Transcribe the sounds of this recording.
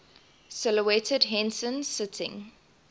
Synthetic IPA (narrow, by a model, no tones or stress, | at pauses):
sɪləwɛtʰədɦɛ̃nsə̃nsɪtʰɪ̰̃ŋ